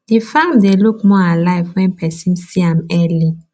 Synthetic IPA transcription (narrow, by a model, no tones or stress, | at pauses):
difãmd̪elukmɔalaɪfwɛ̃npʰɛsĩmsiamɛli